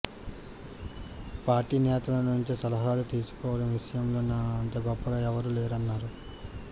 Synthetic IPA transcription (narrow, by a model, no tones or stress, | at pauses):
paːɾʈiːnɛːt̪ɐlɐnuɲt͡ʃisɐlɐɦaːlut̪iːsu̥kɔːʋɐɽɐmʋiʂɐjɐmlo̞ːnaːɐnt̪ɐɡɔpːɐɡaːɛʋɐɾuleːɾɐnːaːɾu